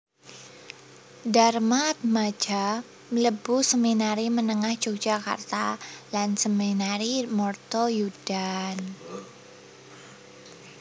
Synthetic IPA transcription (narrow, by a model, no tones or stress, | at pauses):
darmat̪̚mad͡ʒa | ləbusəminaɾimənəŋahd̥d͡ʒok̚d͡ʒ̥aka̰rt̪alansəminaɾimɔrt̪ojudan